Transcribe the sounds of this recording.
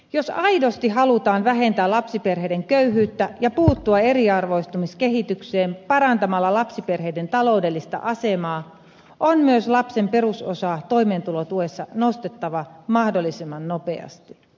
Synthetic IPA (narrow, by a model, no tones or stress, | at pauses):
josɑidost̪iɦɑlut̪ɑːnʋæɦe̞nt̪æːlɑpsiperɦeideŋkøyɦyːt̪ːæjɑpuːt̪ːuɑe̞ɾiɑrʋo̞ist̪umiskeɦit̪ykseːmpɑɾɑnt̪ɑmɑlːɑlɑpsiperɦeident̪ɑlo̞ude̞lːist̪ɑ̰ʔɑsemɑː | ʔonmyøslɑpse̞mpe̞rusosɑːt̪o̞jmeːnt̪ulot̪uesːɑnost̪et̪ːɑʋɑmɑhdolːisimːɑnnopeɑ̰st̪i